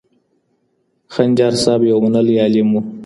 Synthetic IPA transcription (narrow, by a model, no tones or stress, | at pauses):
xanʲd͡ʒɑːɾsɑːbjawmʊnəljɑːlimu